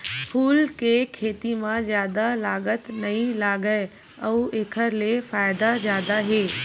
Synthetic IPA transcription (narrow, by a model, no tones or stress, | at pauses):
pʰuːlkekʰeːt̪imãzjaːd̪alaːɡət̪nɐɦĩlaːɡəe | əːeːkʰəɾlefaːɪd̪azjaːd̪aɦeː